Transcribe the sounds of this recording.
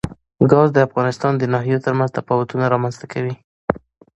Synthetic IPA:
ɡɑzd̪əafɣɑnɪst̪ɑnd̪ənɑɦijot̪əɾmanzt̪afɑwat̪unaɾɑmanzt̪akʰawi

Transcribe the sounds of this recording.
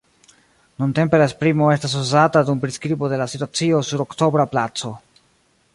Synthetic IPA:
nunte̞mpe̞laespɾimo̞e̞stas̬uzatadumpɾiskɾibo̞de̞lasituat͡sio̞suɾo̞kto̞bɾaplat͡so̞

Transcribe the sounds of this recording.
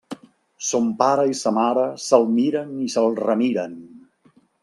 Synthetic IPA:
sompaɾəisəmaɾəsəlˠmiɾənisəlˠrəmiɾən

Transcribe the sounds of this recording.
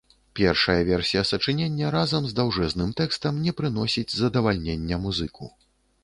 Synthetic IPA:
pʲɛrʂɐjɐvʲɛrsʲijɐsɐt͡ʂɨnʲenʲːɐɾazɐmzd̪awʐɛznɨmt̪ɛkst̪ɐmnʲɛpɾɨn̪ɔsʲid͡zʲzɐd̪ɐvalʲnʲenʲːɛmuzɨkṵ

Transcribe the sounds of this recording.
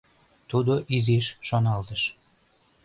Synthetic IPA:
t̪ud̪oʔizeʃːonɑlt̪əʃ

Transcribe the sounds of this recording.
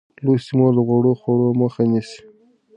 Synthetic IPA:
losimod̪əɣaɽoxwaɽoməxanisi̥

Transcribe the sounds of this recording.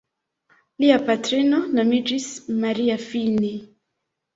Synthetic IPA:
liapatɾinɔnamidɾismaɾiafini

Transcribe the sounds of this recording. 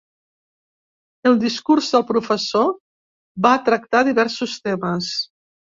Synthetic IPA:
əlˠd̪iskuɾzðəlˠpɾufəso | βat̪ɾək̚t̪aðiβɛɾsust̪eməs

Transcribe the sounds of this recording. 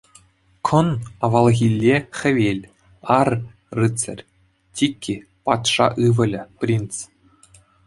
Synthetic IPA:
kʰɤ̆nɑʋɑlˠɣʲilʲːexʲɘ̆ʋʲelʲ | ɑr | rɯt͡sɘ̰̆rʲ | tʲikʲʰːipɑt̪ʂɑʔɯʋɤ̆lʲɘ̆prʲint͡s

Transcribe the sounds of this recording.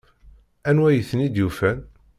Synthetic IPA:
ænwæjəθənid̪jufæn

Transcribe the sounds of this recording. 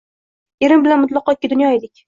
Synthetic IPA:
eɾɪmbɪlanmʊt̪lˠɑqɒt̪̚ʲːɪd̪ʊnjɒelɪkʲ

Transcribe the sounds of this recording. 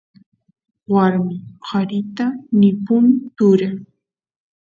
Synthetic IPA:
waɾmɪqʰɑɾɪt̪anɪpʊmt̪ʊɾaŋ

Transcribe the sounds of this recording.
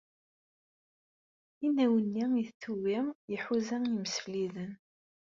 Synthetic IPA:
inːæwənːiiθθuwijəħuzæjəməsfliðən

